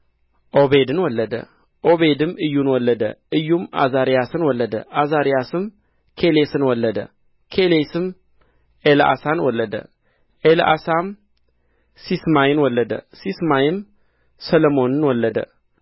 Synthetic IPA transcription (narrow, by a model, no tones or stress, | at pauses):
ʔoβe̞d̪ɨnwɔlːəd̪ə̰ | ʔoβed̪ɨmɨjːunwɔlːəd̪ə̰ʔɨjːumʔa̰zaɾijasɨnwɔlːəd̪əʔazaɾijasɨm | kʰelesɨnwɔlːəd̪ə̰ | kʰelesɨm | elʔa̰sanwɔlːəd̪ə̰ | ʔelʔa̰sam | sismajɪnwɔlːəd̪ə̰sismajɪm | səlomo̞nɨnwɔlːəd̪ə̰